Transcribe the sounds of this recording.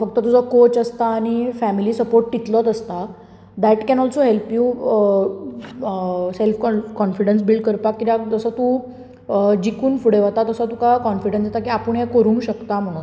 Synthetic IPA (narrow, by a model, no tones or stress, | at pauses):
fək̚t̪ət̪ud͡zɔkot͡ɕəst̪aːɽ̃ifæmiliːsəpoɾʈːit̪lɔt̪əst̪a | d̪æʈkɛ̃nɔlsoɦelpju | selfkɔkɔnfiɖəns̬bilɖkəɾpakkːit̪ad͡zəsət̪ũ | d͡ʑikuːnfuɽeʋat̪at̪əsət̪ukakɔnfiɽə̃nsjat̪akiapəɳjɛkəɾũːŋɡɕəkt̪am̤əɽ̃ũːn